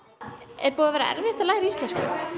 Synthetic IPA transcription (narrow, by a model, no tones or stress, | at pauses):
ɛɾpuːðavɛːɾa̰ʔɛ̰ɾvɪht̪alaːjɣɾiist̪lɛnskʏ̰